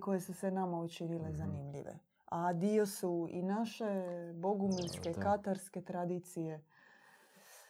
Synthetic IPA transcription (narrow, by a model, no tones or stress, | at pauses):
ko̞je̞susʋenamaut͡ʃinile̞zanimʎḭʋḛ | ad̪iosuḭnaʃe̞bo̞ɡuminske̞kat̪aɾske̞t̪ɾad̪it̪sije̞